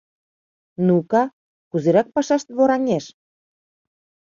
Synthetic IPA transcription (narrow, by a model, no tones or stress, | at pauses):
nukɑ | kuzeɾɑk̚pɑʃɑʃt̪βoɾɑŋʲeʃ